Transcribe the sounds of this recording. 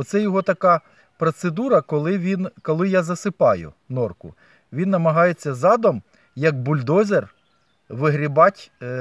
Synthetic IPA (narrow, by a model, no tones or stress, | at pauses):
ɔt̪sɛjɔɦɔt̪ɐkɑ | pɾɔt̪sed̪uɾɐkɔlˠɪʋʲinkɔlˠɪjazɐsɪpɑjʊ̰ | nɔrkʊ̰ | ʋʲinːɐmɐɦɑjet͡sʲːɐzɑd̪ɔm | jɐɡbʊlʲd̪ɔzʲer | ʋɪɦɾʲibɑtʲ